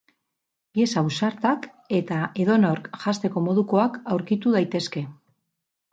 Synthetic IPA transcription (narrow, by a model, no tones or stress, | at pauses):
pie̞sausaɾt̪ak | e̞t̪ae̞ðo̞no̞ɾkʝast̪e̞ko̞mo̞ðuko̞akawɾkit̪uð̞ajt̪e̞ske̞